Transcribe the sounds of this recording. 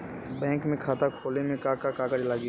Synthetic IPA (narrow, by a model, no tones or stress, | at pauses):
bɛ̃ːŋkmẽkʰaːt̪akʰoːlemẽkakakaːkəd͡ʒlaɡi